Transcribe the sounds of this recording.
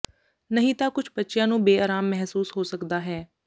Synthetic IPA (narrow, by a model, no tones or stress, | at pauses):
nəɦĩːt̪aːkʊt͡ʃʰbətːʃjãːnũːbeːaːɾaːmːɛɦsuːsɦoːsəkd̪aːɦɛː